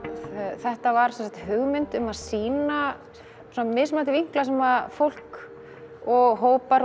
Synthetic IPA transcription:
θɛht̪avaɾ̥sɛnsakt̪hʏɣmɪnt̪ʏmaðsiːna | sɔnamɪðsmaːt̪ɪviŋ̥klasɛmafowl̥k | ɔɣɦoːwpaɾ

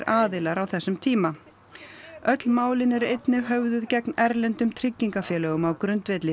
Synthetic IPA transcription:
ɾʔaːðɪlaɾawθɛsːʏmt̪ʰiːma | œt̪lmaːwlɪnɛɾejt̪nɪɦœvðʏðcɛknɛɾlɛnt̪ʏmt̪ʰɾɪcːiŋkafjɛːlɛːɣʏmawkɾʏnt̪vɛːt̪lɪ

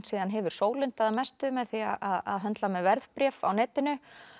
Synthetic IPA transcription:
t̪siːðanɦɛvʏɾ̥soːwlɪn̥t̪aðamɛst̪ʏmɛðθiaʔaða̰ðɦœnt̪lamɛðvɛɾðpɾjɛːfa̰wnɛːt̪ɪnʏ

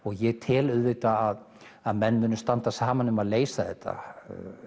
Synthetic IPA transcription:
ɔɣjɛɣt̪ʰɪlʏðvɪt̪aːð | aðmɛnːmʏːnʏst̪ant̪asaːmanʏmaðleːjsaðɛht̪ʰːa̰

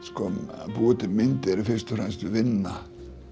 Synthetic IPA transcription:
skɔmpuːt̪ɪmɪnt̪ɪɛɾɪfɪrst̪ʏfɾɛnst̪vʏvɪnːa

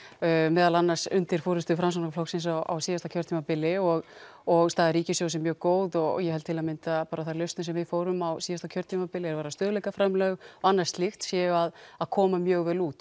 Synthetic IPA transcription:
mɛːðalanːasʏnt̪ɪɾ̥foːɾɪst̪ʏfɾams̬ankaflowsɪnsawʔa̰wsiːðast̪acʰœɾt̪ʰimapɪlːɪɔɣɔɣst̪aːðɪɾiːcɪsjoːwsɛmːjœːɣkoːwðɔɣ̰jɛhɛlt̪ʰɪlaðmɪnt̪apaːɾaθaɾlʏst̪nɪsɛmvɪfoːwɾʏmawsiːðast̪acʰœɾt̪ʰiːmapɪlɪɛɾvaːɾast̪œːðʏlɛjkafɾɛmlœːɣɔanːaɾ̥st̪lɪxt̪sjɛʏaðaðkʰɔːmamjœːɣvɛːluːt̪

